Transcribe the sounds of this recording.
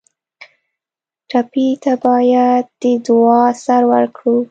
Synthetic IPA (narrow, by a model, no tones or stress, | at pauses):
ʈapit̪abɑjad̪̚d̪əd̪ʊɑsaɾwəɾkɽu